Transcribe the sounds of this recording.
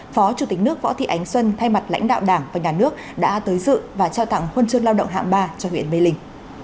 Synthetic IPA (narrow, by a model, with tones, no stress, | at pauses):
fɔ˨˦t͡ɕu˧˩t̪i˨˩k̟̚nɨ˦˥ək̚vɔ̰˧˥t̪ʰḭ˧˨ʔa˨˦jŋ̟swə˧nt̪ʰa˧jma˨˩t̚la̰˧˥jŋ̟ɗa̰ː˧˨wɗaː˧˩ŋvaː˨˩ɲaː˨˩nɨ˦˥ək̚ɗa̰ː˧˥t̪əː˨˦jzɨ̰˧˨vaː˨˩t͡ɕaː˧wt̪a̰ː˧˨ŋhwə˧nt͡ɕɨ˧əŋlaː˧wɗə̰˧˨wŋ͡mɦa̰ː˧˨ŋɓaː˧t͡ɕɔ˧hwḭ˧˨ənɓe˧lï˧ŋ̟